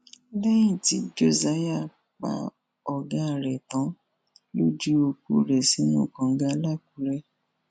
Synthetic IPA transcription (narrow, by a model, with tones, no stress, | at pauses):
lɛ˦jĩ˦˨ti˨˦d͡ʒo˦˨za˨˦ja˦˨ | k͡pa̰˨˦ | ɔ˨ɡa˦˨ɾɛ˨tã˨˦ | lo˦d͡ʒi˦o˧kṵ˦ɾɛ˨si˨˦nũ˦˨kã˨ŋ̩˦ɡa˧la˦˨ku˨˦ɾɛ˦